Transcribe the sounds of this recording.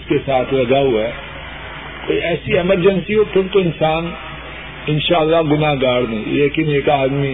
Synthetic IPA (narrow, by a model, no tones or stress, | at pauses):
skesaːt̪ʰlɐɡaɦuaɛ | koːiʔɛːsiɛməɾd͡ʒənsiɦop̪ʰʊnt̪oɪnsaːn | ɪnʃaːəlːaɡʊnaɡaːɽnẽleːkɪneːkaːd̪mi